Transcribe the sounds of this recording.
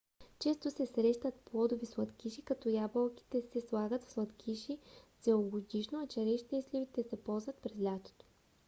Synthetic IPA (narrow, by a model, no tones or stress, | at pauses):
t͡ʃɛst̪osɛsɾɛʃt̪ət̪plˠɔd̪ovislˠɐt̪kʲiʃikɐt̪ɔjabəlˠkʲi̥t̪ɛsɛslˠaɡət̪fslˠɐt̪kʲʰiʃisɛoɡod̪iʃnoɐt͡ʃɐɾɛʃt̪ɛslʲivit̪ɛsɛpɔlˠzvɐt̪̚pɾɛzlʲat̪o̥t̪o̥